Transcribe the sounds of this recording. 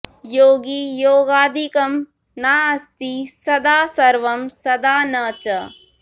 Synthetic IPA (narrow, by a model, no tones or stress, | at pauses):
joːɡijoːɡaːd̪ʱikɐm | naːɐst̪isɐd̪aːsɐɾʋɐmsɐd̪aːnɐːt͡ʃɐ